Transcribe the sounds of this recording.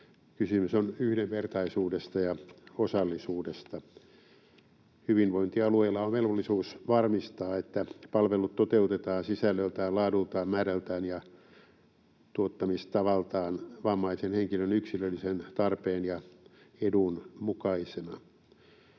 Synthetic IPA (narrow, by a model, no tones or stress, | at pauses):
kysymysonyhdeʋʋert̪ɑisuːdest̪ɑjɑosɑlːisuːdest̪ɑ | hyʋinʋoint̪iɑlueilːɑomʋelʋolːisuːsʋɑrmist̪ɑːet̪ːæpɑlʋelut̪t̪ot̪eut̪et̪ɑːnsisælːølt̪æːlɑːdult̪ɑːmmæːɾælt̪æːnjɑ | t̪uot̪ːɑmist̪ɑʋɑlt̪ɑːnʋɑmːɑisenheŋkilønyksilølːisent̪ɑrpeːnjɑedunmukɑisenɑ